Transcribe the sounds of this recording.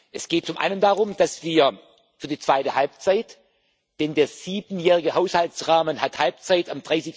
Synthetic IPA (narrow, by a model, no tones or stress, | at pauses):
ʔɛsɡ̥eːt̚t͡sʊmʔa̰ɪnəndaːʁʊmd̥asv̥iːɐ | fyːɐdiːt͡sv̥aɪtəhalp̚t͡saɪt | d̥ɛndeːɐz̥iːbn̩jɛːʁɪɡəhaʊshaltt͡sʁaːmənhathalp̚t͡saɪtamd̥ʁaɪsɪç